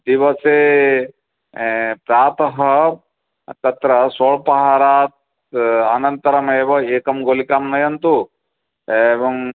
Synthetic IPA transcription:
d̪iʋɐse | pɾaːt̪ɐɦɐ | t̪ɐt̪ɾɐsoːɭpɐɦaːɾaːt̪̚ | ɐnɐnt̪ɐɾɐmeːʋɐeːkɐmɡoːlikaːmnɐjɐnt̪u | eʋɐŋ

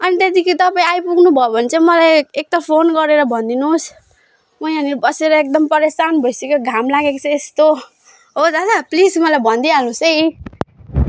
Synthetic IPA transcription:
ʌnit̪et̪ikʰit̪ʌpaĩajpuɡnubʱʌobʱʌnt͡sʰʌmʌlajek̚t̪ʌpʰonɡʌɾeɾʌbʱʌnd̪inus | mʌjʌnibʌseɾʌek̚d̪ʌmpʌɾesanbʱʌjsekoɡʱamlaɡekʌt͡sʰʌest̪o | ɦod͡zanaplismʌlajbʱʌnd̪ialnũsʌj

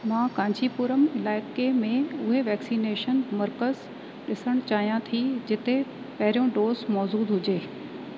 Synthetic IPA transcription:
mãːkãːɲd͡ʑipuːɾəmɪlaːɪkemẽʊɦeʋɛːksiːneːʃənmɐɾkəz | ɗɪsəɽ̃t͡ɕaːɦijãt̪ʰid͡ʑɪt̪e | pɐɦɪɾijõɖoːzmɔːzuːd̪ɦʊd͡ʑeː

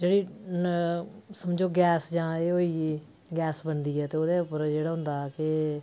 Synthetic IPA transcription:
d͡ʒeːɽiː | səmd͡ʒoːɡɛːsd͡ʒãːeːoːiː | ɡɛːsbənd̪iːɛːt̪eːoːd̪eːʊpːəɾd͡ʒeːɽaːɦʊ̃nd̪aːɛkɪ

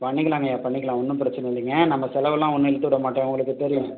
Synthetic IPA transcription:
pɐɳːɪkːɐlaːŋɡɐjaːpɐɳːɪkːɐlãːɔnːɯpɪɾɐt͡ʃːɐnɐɪnd̪iːŋɡɐnɐmːɐsɛlɐʋɛlãːɔnːɯɪɭt̪ːɯʋɪɽɐmaːʈːẽːʊŋɡɐɭɯkːɯt̪ɛɾɪjʊ̃

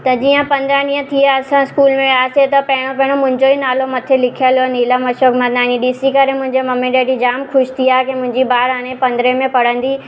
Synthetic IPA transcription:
t̪ɐd͡ʑiːə̃pɐ̃nd̪ɾaniːə̃t̪ʰiaɐsãɪskuːlmẽaːset̪ɐpɐɦɪɽ̃opɐɦɪɽ̃omʊ̃ɦɪ̃ɲd͡ʑoinaːlomɐt̪ʰelɪkʰijəloniːlamɐʃoːkmãnaːñiɗiːsikɐɾemʊ̃ɦɪ̃ɲd͡ʑemɐmẽɗeːɖid͡ʑaːmkʰʊʃt̪ʰiaːkẽmʊ̃ɦɪ̃ɲd͡ʑibaːɾaːɽ̃epɐ̃nd̪ɾemẽpɐɽə̃nd̪i

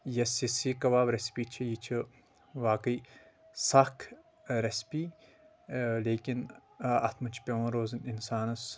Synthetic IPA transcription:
jɐsisiːkɐʋaːbɾɐspiːt͡ʃʰijit͡ʃʰi | ʋaːkɨiː | sɐkʰ | ɾɐspiː | leːkʲinɐt̪ʰmɐt͡ʃʰpʲɐʋɐ̃ɾoːzɨninsaːnɐs

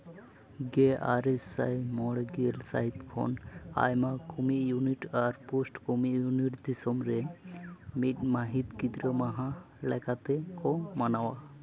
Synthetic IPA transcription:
ɡea̰ɾesa̰jmɔɽɡelsa̰ɦit̪kʰɔ̰na̰jmakumijuniʈaɾposʈkumijuniʈd̪isɔmɾe | miʈ̚maɦit̪kid̪ɾəmaɦã | lɛkat̪ekɔmanawa

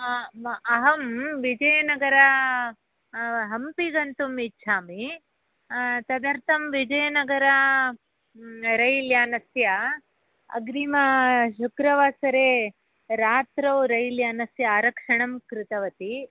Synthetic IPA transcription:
ɐɦɐmʋid͡ʒɐjɐnɐɡɐɾɐ | ɦɐmpiɡɐnt̪umitːt͡ʃʰaːmi | t̪ɐd̪ɐɾt̪ʰɐmʋid͡ʒɐjɐnɐɡɐɾɐ | ɾɐjljaːnɐsjɐ | ɐ̰ɡɾiːmɐʃukɾɐʋaːsɐɾeː | ɾaːt̪ɾɐwɾɐjljaːnɐsjɐaːɾɐkʂɐɳɐmkɾɪt̪ɐʋɐt̪i

